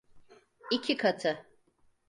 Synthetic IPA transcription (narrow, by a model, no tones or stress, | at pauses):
icʰikʰat̪ʰɯ